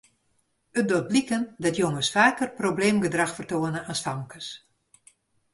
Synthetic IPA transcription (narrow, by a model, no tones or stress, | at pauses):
ət̚dot̚blikəndɔtjoŋəsfaːkərprobleːmɡədraxfərtoənəʔanstamkəs